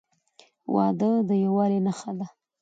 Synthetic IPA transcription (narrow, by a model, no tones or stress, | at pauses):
wʔɑ̰d̪əd̪əjawɑɾenaxad̪a